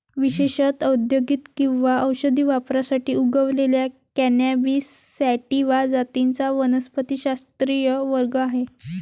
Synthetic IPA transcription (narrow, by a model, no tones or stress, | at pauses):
ʋiɕeɕət̪əd̪joɡit̪kĩw̃ʋaəwɕəd̪ʱiːʋapɾasaʈiːuɡəʋleljakænabisæʈiʋad͡zat̪int͡saʋənəspʰət̪iɕast̪ɾijəʋəɾɡəaɦe